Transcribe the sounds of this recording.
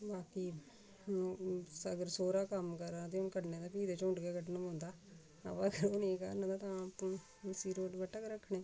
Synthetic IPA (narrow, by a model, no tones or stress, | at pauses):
baːkiː | səɡəɾsoːɾaːkəmkəɾãːt̪ẽʊnkəʈnẽːt̪aːpiːd̪eːt͡ʃʊ̃ɳɖɡeːkəʈnəmõːnd̪aː | ə̰pːəɡəɾoːnĩːkə̰ɾnãd̪aːt̪ãːp | siːɾoːʈbəʈəkɾəkʰːɳeː